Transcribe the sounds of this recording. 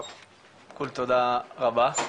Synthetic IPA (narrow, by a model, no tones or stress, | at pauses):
kult̪ud̪aɣaba